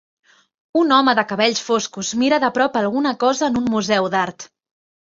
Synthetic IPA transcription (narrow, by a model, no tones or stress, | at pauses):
unɔməðəkəβ̞ɛʎsfoskuzmiɾəðəpɾɔpəlˠɣunəkɔzəːnummuzɛwðaɾt̪